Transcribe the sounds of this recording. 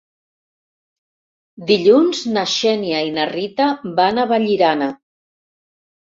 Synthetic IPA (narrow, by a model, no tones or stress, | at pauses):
d̪iʎunznaʃɛniainərit̪əbanəβaʎiɾanə